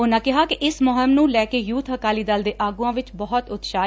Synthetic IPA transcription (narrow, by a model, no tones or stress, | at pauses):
ʊnãːkɪɦaːkɪʔɪsmɔːɦəmnũːlɛːkeːjuːt̪ɦəkaːliːd̪əld̪eːʔaːɡuãːʋɪt͡ʃbɔːɔt̪ʊt̪ʃaː